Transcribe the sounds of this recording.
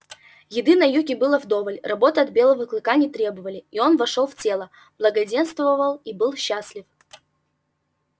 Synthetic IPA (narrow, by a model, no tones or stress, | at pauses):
jɪd̪ɨnɐjukʲɪbɨlˠəvd̪o̞vəlʲrɐbo̞t̪əɐd̪̚bʲe̞lˠəvəklˠɨkanʲɪt̪ɾʲe̞bəvəlʲɪio̞nvɐʂolˠftʲe̞lˠə | b̥lˠəɡɐdʲe̞nst̪vəvəlˠibɨlˠɕːasʲlʲɪf